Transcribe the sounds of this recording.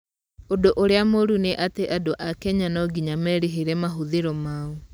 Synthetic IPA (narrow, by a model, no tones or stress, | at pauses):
odoʔoɾeamoɾuneʔateʔadoʔakɛɲanɔɡiɲamɛɾeɦeɾɛmaɦuðeɾɔmau